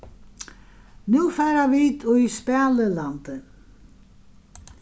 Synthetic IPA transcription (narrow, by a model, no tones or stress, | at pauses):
nuːfaːɾaviːt̪ʰɔispɛːləlant̪ə